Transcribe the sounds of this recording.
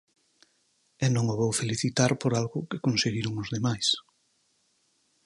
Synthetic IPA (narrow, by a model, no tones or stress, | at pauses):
ɛnõŋoβowfeliθit̪aɾpoɾalɣʊkɪkonseɣiɾʊŋʊzðemajs